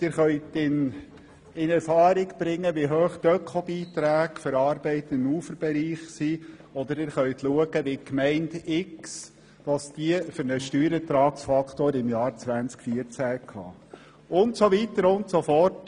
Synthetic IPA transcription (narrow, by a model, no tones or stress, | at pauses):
d̥ɪːɾχœʏtɪn | ɪnɛɾfɑːɾɪɡb̥ɾɪŋːəʋiɦøːχd̥œkʰobiːt̪ɾæːɡfəɾɑːɾbɛɪtɪnuːfəɾb̥ɛɾiːχsiɔd̥̪əɾɪːɾχœʏtluəɡəʋikmɛɪndɪks | ʋɑsd̥iəfʏɾnəʃtyːɾət̪ɾɑːksfɑkʰt̪oːɾɪmjɑːɾt͡sʋænt͡skfiəɾt͡sækhɑ̰ː | ʊntsoʋitəɾʊntsofɔrt